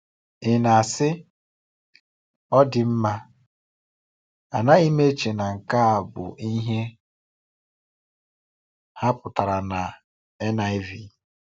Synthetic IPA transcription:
ɪ˨na˨a˨sɪ˦ | ɔ˦dɪ˨m̩˦ma˦ | a˨na˦i˦me˦t͡ʃe˨na˨ŋ̩˨ka˦a˨bʊ̰˨ʔi˦ɦe˦ | ha˦pʊ˨ta˨ɾa˨na˨ | e˦na˨ɪ˦vi˨

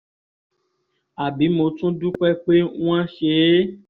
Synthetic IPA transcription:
a˨bi˨˦mõ˨tũ˦du˦k͡pɛ˦k͡pe˦ŋũ˦ã˦ʃe˨˦

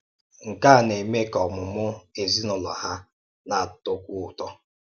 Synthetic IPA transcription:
ŋ̩˨ka˦˨ne˨me˦kɔ˨mʊ˨mʊ˦e˨zi˦nʊ˨lɔ̰˨ɦa˦ | na˨to˦kʷu˦ʊ˨tɔ˦

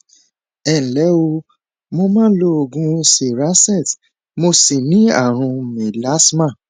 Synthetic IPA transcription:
ɛ˨lɛ˨˦o˧ | mo˧mãː˦lo˧o˨ɡũ˧˦se˨ɾa˦sɛ˦˨t | mo˧si˨nĩ˦a̰˦˨ɾ̃ũ˧mẽ˨la˨˦smã˦˨

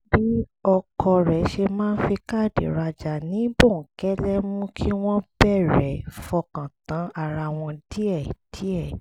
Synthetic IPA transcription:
bi˨˦ɔ˧kʰɔ˧ɾɛ˨ʃe˧mãː˦n̩˦fi˧ka˦˨dḛ˨ɾa˧d͡ʒa˨nĩ˨˦bõ˦˨ŋ̩˨kɛ˦lɛ˦mũ˦kʰi˦w̃ɔ̃˦bɛ˦˨ɾɛ˨fɔ˧kã˨tã˨˦a˧˨ɾa˧w̃ɔ̃˧di˦ɛ˦˨d̥i˨˦ɛ˦˨

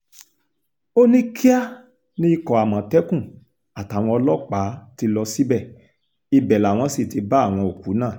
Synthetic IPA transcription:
o˦nĩ˦kʰi˦a˦ | nĩ˦i˦˧kɔ˨a˨mã˨tɛ˦kũ˦˨ | a˨ta˨˦˨w̃ɔ̃˧ɔ˧lɔ˦k͡pa˨˦ti˧lɔ˧si˦bɛ˦˨ | i˧bɛ˨la˨w̃ɔ̃˧si˦˨ti˧ba˦a˦˨w̃ɔ̃˧o˨ku˨˦nãː˦˨

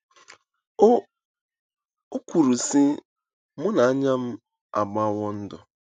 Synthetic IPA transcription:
o˦kʷu˨ɾu˨sɪ˦ | mʊ˦na˨a˦ɲa˦m̩˦ | a̰˨ɡ͡ba˦wʷɔ˦n̩˦dɔ˨

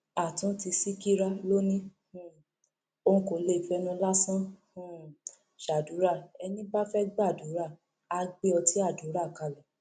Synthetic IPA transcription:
a˨tũ˨˦ti˧si˦ki˦ɾa˦lo˦nĩ˦ | ũ˨ | õ˧kõ˨˦le˦˨i˨fɛ˧˦nũ˧la˦sã˦ | ũ˦˨ | ʃa˨du˨˦ɾa˦˨ɛ˧nĩ˦ba˦fɛ˦ɡ͡ba˦˨du˨˦ɾa˦˨ | a˧ɡ͡be˦ɔ˧ti˦a˦˨du˨˦ɾa˦˨ka˧˨lɔ˨

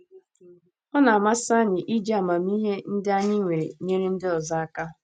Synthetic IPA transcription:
ɔ˦na˨a˨ma˦sa˦ɲɪ˨ʔi˦d͡ʒe˦a˨ma˨m˦i˦ɦe˦n̩˦dɪ˦a˦ɲɪ˦ŋʷe˨ɾe˨ɲe˦ɾe˦n̩˦dɪ˦ɔ˨za˦a˦ka˦

